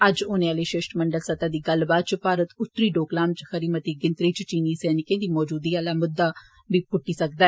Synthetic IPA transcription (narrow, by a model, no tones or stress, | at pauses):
əd͡ʒoːnẽːaːleːʃeːʃʈməɳɖəlsət̪aːd̪iːɡəlbaːd̪̚t͡ʃpaːɾət̪ʊt̪ːɾiːɖoːklaːmt͡ʃxəɾiːmət̪iːɡɪnt̪ɾiːt͡ʃt͡ʃiːniːsɛːnɪkẽːd̪iːmɔːd͡ʒuːd̪iːaːlaːmʊd̪ːaː | biːpʊʈːiːsək̚d̪aːɛ